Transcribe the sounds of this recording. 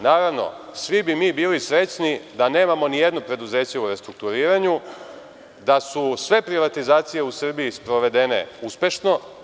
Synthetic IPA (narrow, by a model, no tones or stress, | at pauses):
naːɾaʋno̞̰sʋibimiːbiːlisɾe̞t͡ɕnid̪ane̞ːmamo̞nijed̪nopɾe̞d̪uze̞ːt͡ɕeuɾe̞st̪ɾuk̚t̪uɾiːɾaɲu | d̪asusʋe̞pɾiʋat̪izaːt̪sije̞usr̩bijispɾo̞ʋe̞d̪ene̞̰uspʲe̞ʃno̞